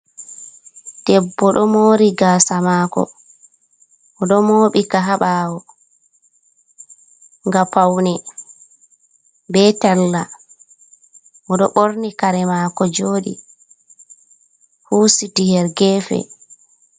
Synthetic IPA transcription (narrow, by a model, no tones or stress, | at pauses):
d̥ɛbːɔɗɔmoːɾiɡaːsamaːkɔ̰ | ʔɔɗɔmoːɓikaɦaɓaːwɔ | ŋɡapawnɛ | bɛtalːa | ʔɔɗɔɓoɾnikaɾɛmakɔd͡ʒoːɗḭ | huːsitihɛɾɡɛfɛ̰